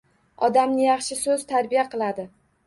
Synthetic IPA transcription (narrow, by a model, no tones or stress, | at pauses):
ɒd̪amnɪjɑχʃɪsɵzt̪ʰaɾbijaqʰɨlˠad̪ɪ